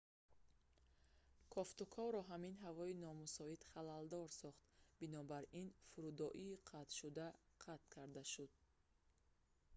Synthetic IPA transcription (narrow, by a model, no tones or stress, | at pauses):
kʰɔft̪ukʰɔvɾɔɦaminɦavɔinɔmusɔid̪χalald̪ɔɾsɔχt̪binɔbaɾinfuɾud̪ɔʔiːqʰat̪ʃud̪a | qʰat̪̚kʰaɾd̪aʃud̪̚